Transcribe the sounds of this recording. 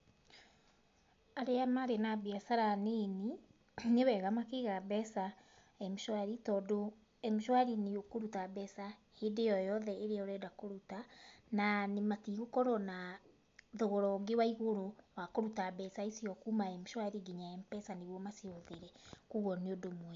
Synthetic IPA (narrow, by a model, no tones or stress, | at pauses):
aɾeamaɾenabiasaɾaneni | newɛɣamakeɣabɛsa | ɛmoʃwaɾitɔdo | ɛmoʃwaɾineokoɾutabɛsahedejɔjɔðɛeɾeɔɾɛdakoɾutananemakiɣokɔɾɔna | ðoɣoɾɔɡewaiɣoɾowakoɾutabɛsaesiɔkumaɛmoʃwaɾiɡiɲaɛmpɛsaneβɔmaseoðeɾɛkuɣɔneodomwɛ